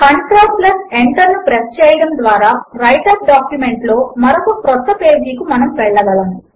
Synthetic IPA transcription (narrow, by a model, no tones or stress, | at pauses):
kɐɳʈɾaːsplɐseɳʈɐɾnupɾest͡ʃɛːjɐɽɐnd̪ʋaːɾaːɾɐjʈɐɾɖaːkjumeɳʈlo̞ːmɐɾokɐpɾɔt̪ːɐpe̞ːd͡ʒiːkumɐnɐmʋɛɭːɐɡɐlɐni